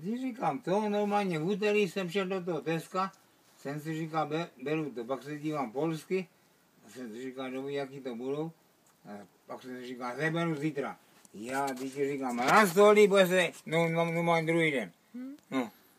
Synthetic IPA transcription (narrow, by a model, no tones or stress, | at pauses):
t̪iʐikamt̪onoɾmaːlɲɛɦut̪̬ɛɾisɛmfʃɛdot̪̬oɦɔt̪ɛska | sɛns̬iʐikabɛbɛɾut̪opaksɛdiːʋampolskɪ | asɛnsiʐikadobijakit̪obudow | paksɛsirikazɛbɛɾuzit̪ɾa̰ | jaːd̪ikɛʐikamaɾast̪oliboɛs̬ɛnoanomaːɲɛd̪ɾuɦiːdɛn | no